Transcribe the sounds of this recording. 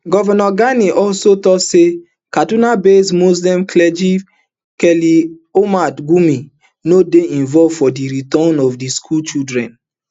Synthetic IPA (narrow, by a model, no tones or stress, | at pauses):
ɡɔvɛnɔɡaniʔɔlsotɔse | kadunabesmozlɛ̃mklɛd͡ʒi | kɛliomadɡumi | nodeĩnvɔvfɔdiɾitɔnɔfdiskʰult͡ʃidɹɛ̃n